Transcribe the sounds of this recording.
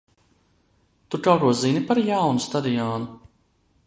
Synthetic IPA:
t̪ukawkuɔzinipaɾjawnust̪ad̪ijɔːnu

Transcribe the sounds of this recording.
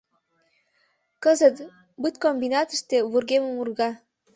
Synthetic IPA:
kɤ̆zə̆t̪ | bɨt̪̚kombinɑt̪əʃt̪eβurɣemə̆murɣɑ

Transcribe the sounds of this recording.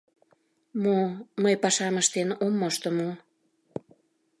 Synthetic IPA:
moməjpɑʃɑməʃt̪enomːoʃt̪ə̆mo

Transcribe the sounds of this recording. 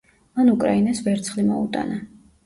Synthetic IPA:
manukʼɾainasvɛɾt̪sʰχlimɔut̪ʼa̰na

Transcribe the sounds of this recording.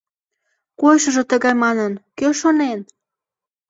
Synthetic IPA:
kojʃə̆ʒɤ̆t̪əɣɑjmɑnənkøʃonen

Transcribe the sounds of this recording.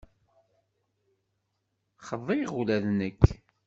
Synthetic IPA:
χəðˤijʁulæðnəkː

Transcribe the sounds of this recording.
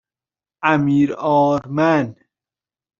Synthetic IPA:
æmiːɾɒːɾmæn

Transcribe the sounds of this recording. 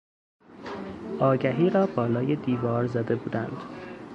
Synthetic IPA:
ʔɒːɟæɦiːɾɒːbɒːlɒːje̞d̪iːvɒːɾzæd̪e̞buːd̪ænd̪̥

